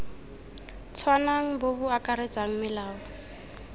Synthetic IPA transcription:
t͡sʰwanaŋ̩bobʊakʼaɾet͡sʼaŋ̩mɪlaːwɔ

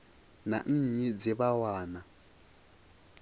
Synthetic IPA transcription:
na̰n̩ːɲid͡ziβawaːna

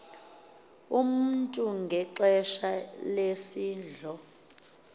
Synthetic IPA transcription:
um̩ntʼuŋɡʱɛǁɛʃalesiːnd͡ɮʱɔ

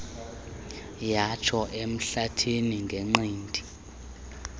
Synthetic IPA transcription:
jat͡ʃʰɔʔem̩ɬatʰiniŋɡʱeŋ͡ǃiːndʱi

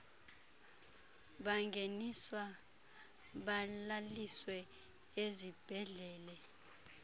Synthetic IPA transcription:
ɓaŋɡʱeniswa | ɓalaliswɛ | ezib̥ʱɛɮɛːlɛ

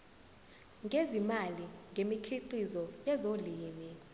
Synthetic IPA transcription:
ŋɡʱezimaliŋɡʱemikʰiǃizɔjɛzoliːmi

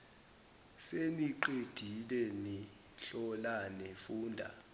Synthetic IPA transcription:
seniǃed̥ʱilɛni | ɬɔlanefuːndʱa̰

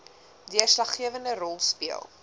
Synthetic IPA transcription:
diərslɐχːiəvəndərɔlˠspiəlˠ

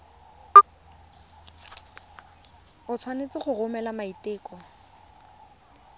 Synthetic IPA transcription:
ʊt͡sʰwanet͡sɪχʊrʊmɛlamaitɪːkɔ

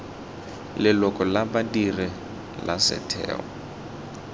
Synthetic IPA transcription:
lɪlɔkʼɔlabadiri | la̰sɛ̰tʰɛ̰ːɔ̰

